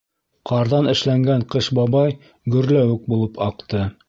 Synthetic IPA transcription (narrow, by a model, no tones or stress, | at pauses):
qʰɑɾðɑnʔɘ̆ʃlæŋɡæɴqɤʃbɑβɑj | ɡɵ̆ɾlæwɘk̚bulˠɤpʰɑqt̪ɤ